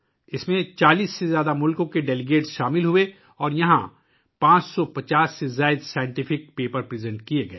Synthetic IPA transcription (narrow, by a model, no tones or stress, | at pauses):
ɪsmẽt͡ʃaːliːsːezjaːd̪amʊlkõkeɖɛlɪɡeːʈsʃaːmɪlɦʊe | ɔːɾjɐɦã̰ | pãːt͡ʃsɔpɐt͡ʃaːsːezaːɪd̪saːjɪ̃ɳʈɪfʰɪk̚peːpəɾpɾɪːzɛ̃ɳʈkieɡɐeː